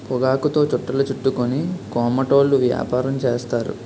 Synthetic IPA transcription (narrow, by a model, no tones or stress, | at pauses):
pɔɡaːkut̪o̞ːt͡ʃɔʈːɐlut͡ʃuʈːukonikɔːmɐʈo̞ːlːuʋja̰ːpaːɾɐmt͡ʃeːst̪aːɾṵ